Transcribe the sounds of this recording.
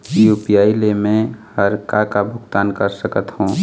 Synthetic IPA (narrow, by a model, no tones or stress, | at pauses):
juːpijaːilemẽhəɾkakabʱʊɡt̪aːnkəɾsəkət̪hũː